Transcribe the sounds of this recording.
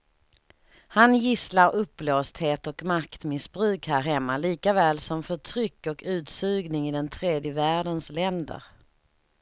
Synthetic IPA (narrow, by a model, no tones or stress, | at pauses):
hanjɪslaɾɵpːloːst̪heːt̪ɔkmakt̪mɪsbɾʉ̟ːkhæːɾɦɛmːaliːkavɛːlsɔmfœʈʰɾʏkːɔkʉ̟ːt̪sʉ̟ːɡnɪŋɪd̪ɛnt̪ʰɾeːd̪jəvæːɖənslɛnd̪ə̰ɾ